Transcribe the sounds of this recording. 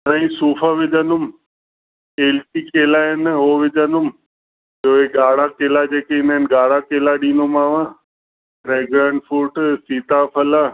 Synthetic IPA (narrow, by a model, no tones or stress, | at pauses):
t̪ɐ̃ĩsuːfʰaʋɪd͡ʑə̃nʊm | eːlʈikeːlaɦɪnɦoːʋɪd͡ʒʱəndʊm | oːeɡaːɽakeːlad͡ʑeːkeɪnaɪnɡaːɽakeːlaɗĩːnʊmaːʋã | ɾeːɡɾãːɳɖfuːʈsiːt̪apʰɐlaː